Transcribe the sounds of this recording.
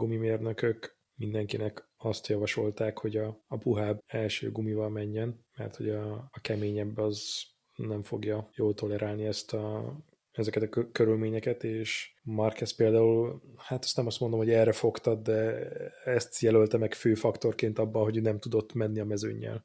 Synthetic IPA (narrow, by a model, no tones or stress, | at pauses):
ɡumimeːrnøkøk | mind̪ɛŋkinɛkɒst̪jɒvɒʃo̞lt̪aːkho̞ɟɒːpuɦaːbɛlʃø̰ːɡumivɒlmɛɲːɛnmɛ̰rt̪ho̞̰ɟɒːkɛmeːɲɛbːɒz | nɛɱfo̞ɡjɒjoːlt̪o̞lɛɾaːlniɛst̪ɒ | ɛzɛkɛt̪ɒkøɾylmeːɲɛkɛt̪eːʃmɒrkɛspeːld̪aːulhat̪ɒ̥st̪nɛmɒst̪mond̪omho̞ɟɛrːɛfo̞kt̪ɒd̪̚d̪ɛ | ɛst̪jɛlølt̪ɛmɛkføːfɒkt̪o̞rkeːnt̪ɒbːɒnɦo̞ɟnɛmt̪ud̪o̞t̪ːmɛnːiɒmɛzø̰ɲːɛ̰l